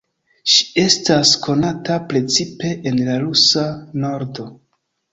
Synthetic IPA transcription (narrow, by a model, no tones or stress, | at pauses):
ʃi̥e̞staskʰo̞natapɾe̞t͡sipe̞ʔenlaɾusano̞ɾdo̞